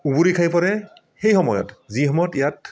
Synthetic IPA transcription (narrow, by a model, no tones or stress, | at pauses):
ubuɹikʰajpɔɹɛ | xejxɔmɔjɔ̰tziɦɔmɔtijat